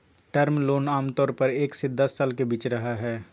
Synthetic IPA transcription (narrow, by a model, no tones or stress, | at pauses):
ʈəɾmloːnaːmt̪ɔːɾpəɾeːksed̪ɐsːaːlkebiːt͡ʃɾɐɦaɦɛː